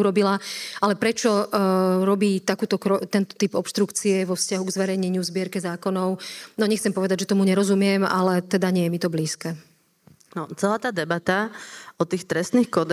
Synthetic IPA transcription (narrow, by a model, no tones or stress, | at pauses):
uɾɔbilaalɛpɾɛt͡ʃɔ | ɾɔbiːt̪akuːt̪ɔkɾɔt̪ɛnt̪ɔ̥t̪ipɔpʃt̪ɾukt͡siɛʋɔfscaɦuɡzʋɛɾɛjɲɛɲuzbɪɛɾkɛzaːkɔnɔʊnɔɲɛxt͡sɛmpɔʋɛd̪aɟʒɛt̪ɔmuɲɛɾɔzumɪɛma̰lɛt̪ɛd̪aɲɛjɛmit̪ɔbliːskɛː | nɔt͡sɛlaːt̪aːd̪ɛbat̪aɔt̪iːxt̪ɾɛst̪niːxkɔd̪